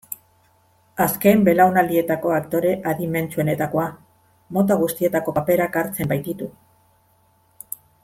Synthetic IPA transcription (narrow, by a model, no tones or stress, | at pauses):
aske̞mbe̞lawnald̪ie̞t̪ako̞akt̪o̞ɾe̞ʔaðime̞nt͡sue̞ne̞t̪ako̞a | mo̞t̪aɣ̞ust̪ie̞t̪ako̞ape̞ɾakaɾt͡se̞mbajt̪it̪u